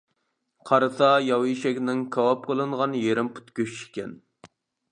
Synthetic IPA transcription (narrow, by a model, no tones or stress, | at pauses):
qʰɑɾɨsɑjɑwiʃɛkʲnɪŋkʰɑwɑp̚qʰəlˠɨɴʁɑnjeɾɪmpʰu̥t̪kʲøʃi̥kʲʰɛ̰n